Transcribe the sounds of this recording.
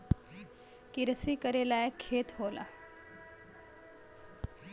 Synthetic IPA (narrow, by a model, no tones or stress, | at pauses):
kɪɾəsikəɾelaekʰːeːt̪ɦoːla̰